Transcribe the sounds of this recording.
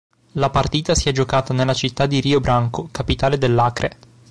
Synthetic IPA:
lapart̪iːt̪asiɛd͡ʒokaːt̪anelːat͡ʃit̪ːad̪ːiɾiːobɾaŋkokapit̪aːled̪elːaːkɾʔḛ

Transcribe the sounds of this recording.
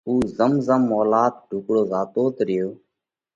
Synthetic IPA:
uːzəmzəmːɔːlaːt̪̚ɖʱuːkɽoːzaːt̪oːt̪ɾɪjoː

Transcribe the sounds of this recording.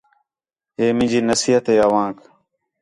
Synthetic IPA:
eːmɪ̃d͡ʑiːnəsiːɦət̪eːɐʋãːk

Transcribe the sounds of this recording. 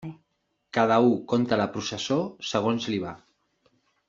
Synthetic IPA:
kað̞əukont̪ələpɾusəsosəɣ̞onzliβ̞a

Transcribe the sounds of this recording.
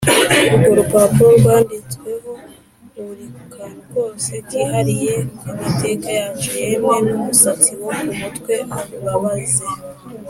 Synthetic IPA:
uɡoɾupapuoɾɡwaːndit͡swe̞ho̞ | uɾikukʰanuɡo̞ːse̞tihaɾije̞imate̞kajaːɲijemŋe̞numusat͡siwokumutwe̞ʔaβuβaβaze

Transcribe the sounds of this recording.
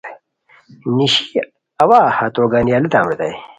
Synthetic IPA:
niɕi | ɐwaːhat̪oːɡanijaːlit̪aːmɾit̪a̰j

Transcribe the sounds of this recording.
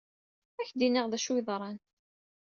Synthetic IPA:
æçd̪inəʁðæʃwiðˤɾˤɑn

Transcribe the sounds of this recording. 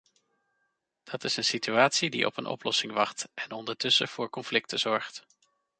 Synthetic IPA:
d̥ɑtɪsənsityaːtsidḭʔɔ̰pə̰nʔɔ̰plɔsɪŋʋɑχtʔɛnɔndəɹtɵsə̰v̥ʊːɹkɔnflɪk̚təz̥ɔɹχt

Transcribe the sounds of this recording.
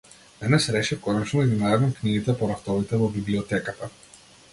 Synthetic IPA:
d̪ɛnɛsɾɛt͡ʃɛkɔnɛt͡ʃnɔd̪aɡ̪inajavamkniɡit̪ɛpɔɾaft̪ɔvit̪ɛvɔbibliɔt̪ɛkat̪a

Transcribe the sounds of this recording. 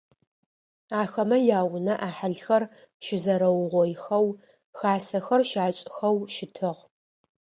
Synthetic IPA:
aːxɐmɐjaːwnɐʔaːħaɮxɐr | ʃɪzɐɾɐwʁʷɔjxɐw | xaːsɐxɐrʃaːt͡ʃʼxɐwʃɪtʰɨʁ

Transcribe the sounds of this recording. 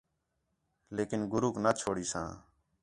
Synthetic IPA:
leːkɪnɡʊɾuːknaːt͡ʃʰoːɽiːsã̰ː

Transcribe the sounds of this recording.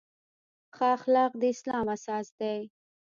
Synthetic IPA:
xɑːxlɑːq̚d̪əɪslɑːmasɑːsd̪aj

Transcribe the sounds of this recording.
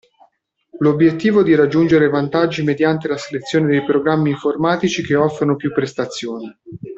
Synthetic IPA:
lobjet̪ːiːvoɛd̪iɾad͡ʒːund͡ʒeɾevant̪ad͡ʒːimed̪jant̪elaselet̪sːjoːned̪ejpɾoɡɾamːiːɱformaːt̪it͡ʃikeɔfːɾonopjupːɾest̪at̪sːjoːni

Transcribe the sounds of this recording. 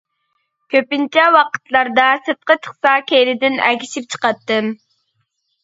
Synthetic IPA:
kʲʰøpɪnt͡ʃʰɛwɑqə̥t̪lˠɑɾd̪ɑsɨt̪̚qət̪ʰə̥χsɑkʲeɾɪd̪ɪnækʲiʃip̚t͡ʃʰə̥qɑt̪ːɨm

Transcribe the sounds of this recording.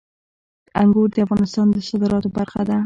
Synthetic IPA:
aŋɡoɾd̪əafɣɑnɪst̪ɑnd̪əsɑd̪əɾɑt̪obaɾxad̪a

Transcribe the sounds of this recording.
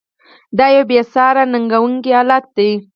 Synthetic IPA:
d̪ɑjawbesɑɾanaŋɡawuŋkihɑlat̪̚d̪aj

